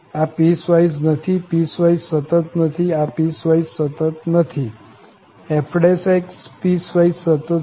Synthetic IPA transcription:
apisʋaisnət̪ʰipiːsʋaissət̪ət̪nət̪ʰiapiːsʋaissət̪ət̪nət̪ʰi | efʰɖesekspisʋaissət̪ə

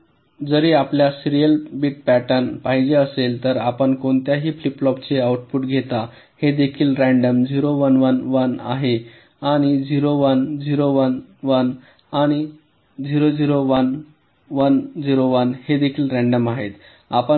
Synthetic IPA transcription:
d͡zəɾiapljasiɾijəlbiːʈ̚pæʈənpaɦid͡ʑeəselt̪əɾapəɳkoɳt̪jaɦiːfliplɔpt͡seauʈfuːʈɡʱet̪a | hed̪ekʰiːlɾæ̃ɳɖəmd͡ziɾoʋənʋənʋəna̰ɦe | aɽ̃id͡ʑiɾoʋənd͡ziɾoʋənʋən | aɽ̃i | d͡ziɾod͡ziɾoʋən | ʋənd͡ziɾoʋənhed̪ekʰiːlɾæ̃ɳɖəmaɦet̪ | apə

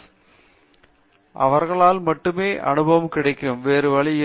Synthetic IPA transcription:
ʔɐ̰ʋɐɾɣɐɭaːlmɐʈːɯmeːʔɐ̰ɳɯbɐɐmkɪɽɐɪkːɯmʋeːɾɯʋɐɭɪjɪ

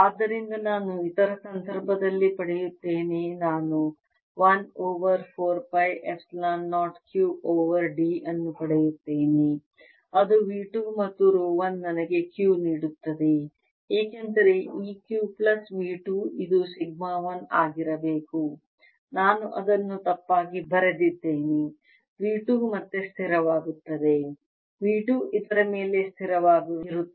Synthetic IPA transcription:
aːd̪ːɐɾind̪ɐnaːnuit̪ɐɾɐsɐnd̪ʱɐɾbʱɐd̪ɐlːipɐɽejut̪ːe̞ːnenaːnu | ʋɐnoːʋɐɾpʰoːɾpɐjʔepslaːnːaːʈkjuːʔoːʋɐɾɖiːɐnːupɐɽejut̪ːeːne | ɐd̪uʋiːʈuːmɐt̪ːuɾoːʋɐnːɐnɐɡe̞kjuːniːɽut̪ːɐd̪e̞ | eːkend̪ɐɾe̞iːkjuːplɐsʋiːʈuːid̪usiɡ̚maːʋɐnaːɡiɾɐbeːku | naːnuʔɐd̪ɐnːut̪ɐpːaːɡibɐɾɐd̪it̪ːeːni | ʋiːʈuːmɐt̪ːest̪ʰiɾɐʋaːɡut̪ːɐd̪e̞ | ʋiːʈuːʔid̪ɐɾɐme̞ːle̞st̪ʰiɾɐʋaːɡuɾu

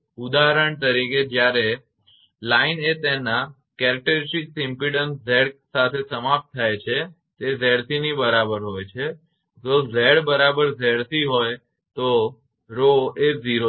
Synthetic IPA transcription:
ud̪aɦɾəɳt̪əɾiked͡ʒjaɾe | lainet̪ena | kɛɾək̚ʈəɾɪsʈiksɪmpiɽənszɛɽsat̪ʰesəmap̚t̪̚ʰːajt͡ʃʰe | t̪ezɛɽt̪ʰinibəɾabəɾɦojt͡ʃʰe | d͡ʒozɛɽbəɾabəɾzɛɽt̪ʰiɦoj | t̪o | ɾoeziɾo

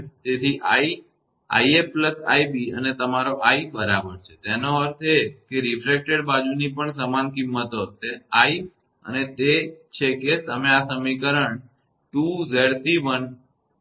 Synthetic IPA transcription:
t̪et̪ʰiʔai | a̰iepləsa̰ibiə̰net̪əmaɾoʔaibəɾabəɾt͡ʃʰe̥t̪enoəɾt̪ʰekeɾifɾek̚ʈeɖbad͡ʒunipəɳsəmankimːət̪ot̪eai | ə̰net̪et͡ʃʰeket̪əmeasəmikəɾəɳ | ʈuzeɾt̪iʋən

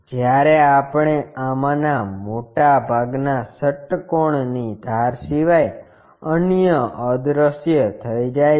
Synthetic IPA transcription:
d͡ʒjaɾeapɳ̃eamanamoʈabʱaɡnasəʈkoɳnid̪ʱaɾsiʋaj | ənjəʔəd̪ɾəsjət̪ʰəid͡ʒaj

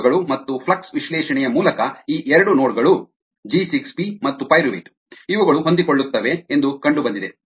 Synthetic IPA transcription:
ɡɐɭumɐt̪ːupʰlɐksʋiʃlɛːʃɐɳɛjɐmuːlɐkɐiːʔɛɾɐɽunoːɽɡɐɭu | d͡ʒisikspimɐt̪ːupɐjɾʋḭʈ | iʋɐɡɐɭuɦo̞nd̪iko̞ɭːut̪ːɐʋe̞ːnd̪ukɐɳɖubɐnd̪id̪e

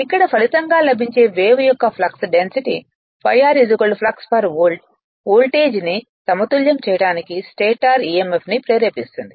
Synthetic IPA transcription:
ikːɐɽɐpʰɐlit̪ɐŋɡaːlɐbʱiɲt͡ʃe̞ːʋeːʋɐjɔkːɐpʰlɐksɖensiʈi | pʰɐ̰jːaːɾid͡ʒukɐlpʰlɐkspɐɾʋoːlʈ̚ | oːlʈe̞ːd͡ʒni | t̪ɐmɐt̪uljɐmt͡ʃɛːjɐɽaːnikisʈeːʈaːɾiːemepnipɾeːɾeːpist̪und̪i

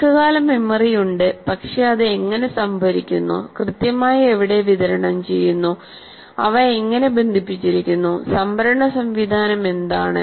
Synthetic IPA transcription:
kːɨɣaːlɐmimːɐrijuɳɖɨpɐkʂeɐðɨeŋːɐne̞sɐmbʱɐɾikʲːunːṵkrɨt̪jɐmaːjɐeʋiɽe̞ʋiðɐɾɐɳɐmt͡ɕe̞jːunːu | ɐ̰ʋɐeŋːɐne̞be̞nd̪ʱipːit͡ɕːiɾikʲːunːusɐmbʱɐɾɐɳɐsɐmʋid̪ʱaːnɐme̞nd̪aːɳɨ̰

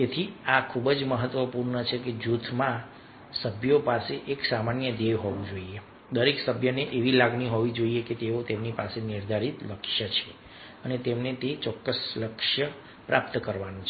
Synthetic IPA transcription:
et̪ʰiakʰubəd͡ʒməɦət̪ʋəpuɾɳət͡ʃʰeked͡ʒut̪ʰmã | səbʱjopaseʔeksamanjəd̪eʋɦoʋũd͡ʒoie | d̪əɾeksəbʱjəneʔeʋilaɡɳiɦoʋid͡ʒoieket̪eot̪emnipasenɪɾd̪ʱaɾit̪ləkʃjət͡ʃʰe | ənet̪emnet̪et͡ʃɔkːəsləkʃjə | pɾʔap̚t̪kəɾʋanũt͡ʃʰ

